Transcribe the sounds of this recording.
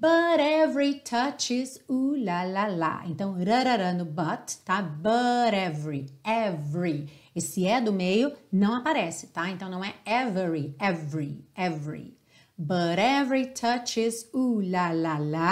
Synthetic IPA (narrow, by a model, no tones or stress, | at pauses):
bɐɾɛvɾit̪ʰɐt͡ʃɪzulalala̰ḛ̃nt̪ɐ̃w̃ɾɐɾɐɾɐ̃nd̪ʊbɐt̪ːabɐɾɛvɾiɛvɾiesɪɛd̪ʊmejʊnɐ̃w̃apaɾɛsɪ̥t̪aẽnt̪ɐ̃w̃nɐ̃w̃ɛɛvɛɾiɛvɾiɛvɾḭ | bɐɾɛvɾit̪ʰɐt͡ʃɪzulalala